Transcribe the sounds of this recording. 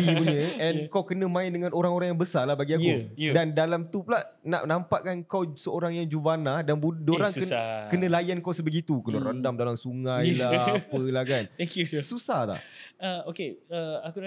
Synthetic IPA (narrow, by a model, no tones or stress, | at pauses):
ipuɲə̃ɛnkawkənə̃mãɪndəŋãnoɾaŋoɾaŋjaŋbəsalahbaɡiaodandalamt̪uplaʔ | na̰ʔnampaʔkankawsəoɾaŋjaŋd͡ʒuvanahdanbudoɾaŋəkənə̃lajankawsəbəɡit̪ukənə̃ɾəndamdalamsuŋãjlaapəlahkanɛkjususahla̰həokeəaku